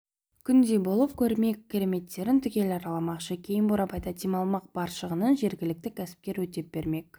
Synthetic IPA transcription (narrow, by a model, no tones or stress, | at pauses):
kʲʰʏnd̪e̞bo̞lˠəpkʲʰɵɾme̞k̚ʲʰːeɾe̞me̞t̪ːe̞ɾɪnt̪ʰʏkʲe̞lɑɾɑlˠɑmɑqʃəkʲʰe̞jɪmboɾɑbɑjd̪ɑt̪ʰimɑlˠmɑq̚b̥ɑɾʃəʁənənʒe̞ɾɡʲɪlɪk̚t̪ɪkʲʰæsɪ̥p̚kʲe̞ɾwɵt̪e̞p̚b̥e̞ɾme̞k̚ʲ